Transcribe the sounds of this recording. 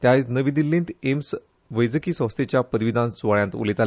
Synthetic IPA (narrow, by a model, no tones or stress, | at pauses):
t̪jat͡snəʋid̪ilːĩnt̪ems | ʋəjd͡zəkiːsə̃w̃st̪ʰet͡ɕjapəd̪ʋid̪ʱãnsuʋaɭjãnt̪ṵlit̪al